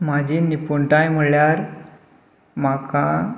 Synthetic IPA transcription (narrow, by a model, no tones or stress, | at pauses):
mad͡ʑʱiːnipuɳʈãjm̤əɭjaɾ | maka